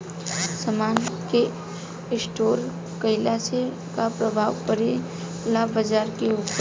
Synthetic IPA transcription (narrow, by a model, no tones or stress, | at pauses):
səmaːnke | sʈoːɾ | kəɪlase | kapɾəbʱaːwpəɾe | laːbːəd͡ʒaːɾkeʊp